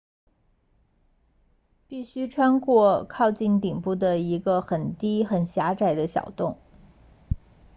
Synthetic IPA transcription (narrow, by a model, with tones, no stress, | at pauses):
pi˥˩ɕy˥ʈ͡ʂʰwa˥nkwɔ˥˧kʰɑ˥˧ʊt͡ɕi˥˩nt̪i˨˩ŋpu˥˩d̪ə˩i˧˥ɡə˧xə˨˩nt̪i˥xə˨˩nɕja˧˥ʈ͡ʂa˨˩ɪd̪ə˦ɕjɑ̰˨˩ʊt̪ʊ˥˩ŋ